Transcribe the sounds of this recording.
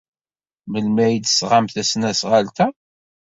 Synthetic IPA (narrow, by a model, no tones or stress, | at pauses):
məlmæjid̪sʁamθæsnæsʁalt̪æ